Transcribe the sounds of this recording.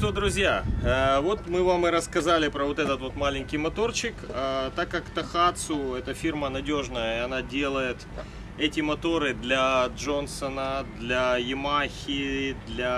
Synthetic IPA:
ʂt̪od̪ɾʊzʲjaəvo̞t̪mɨvamɨɾəskɐzalʲɪpɾəvo̞t̪ɛt̪ət̪vo̞t̪malʲɪnʲkʲɪjmɐt̪o̞rt͡ɕɪkət̪akːakt̪ɐxat̪sʊɛt̪əfʲirmənɐdʲo̞ʐnəjəiɐnadʲe̞lˠəjɪt̪ | ɛtʲɪmɐt̪o̞ɾɨd̪lʲɐʐo̞nsənəd̪lʲɐjɪmaxʲɪd̪lʲɐ

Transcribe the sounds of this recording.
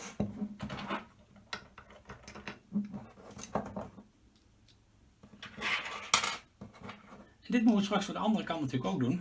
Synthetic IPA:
ɛndɪt̚mutʋəstrɑksfoːɹdəɑndərəkɑntntyːləkowɡ̚dun

